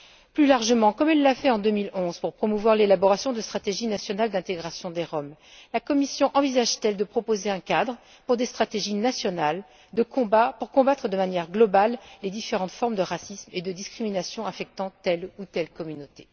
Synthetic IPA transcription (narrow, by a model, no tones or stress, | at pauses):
plylaʁʒəmɑ̃kɔmɛlːafɛɑ̃d̪ømilɔ̃z̥puʁpχɔmuvwaʁlelabɔʁasjɔ̃d̪əst̪χat̪eʒinasjɔnald̪ɛ̃t̪eɡʁasjɔ̃d̪eʁɔm | lakɔmisjɔ̃ʔɑ̃vizaʒt̪ɛld̪əpχɔpozeɛ̃kad̪ʁə | puʁd̪est̪χat̪eʒinasjɔnal | d̪ə̃puʁkɔ̃bat̪χəd̪əmanjɛʁɡlɔbalːed̪ifeʁɑ̃t̪fɔʁmd̪əʁasismed̪əd̪iskχiminasjɔ̃afɛk̚t̪ɑ̃t̪ɛlut̪ɛlkɔmynot̪e̥